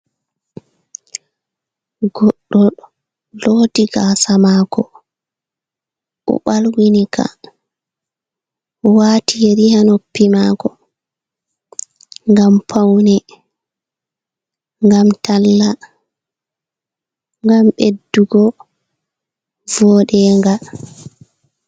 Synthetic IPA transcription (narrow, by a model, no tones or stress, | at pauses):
ɡɔɗːɔ | lodiɡasamakɔ | ɔ̰ɓalwinikʰa̰ | waːtijeɾihanopːimakɔ | ŋɡampʰawnɛ | ŋɡamtalːa | ŋɡamɓedːuɡɔ | vɔːɗɛːŋɡa